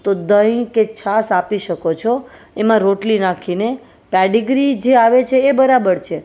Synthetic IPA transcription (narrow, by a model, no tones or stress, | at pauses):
t̪od̪əjket͡ʃʰasapiʃəkot͡ʃʰo | emãɾoʈlinakʰine | pɛɖiɡɾid͡ʒeaʋet͡ʃʰeːbəɾabəɾt͡ʃʰe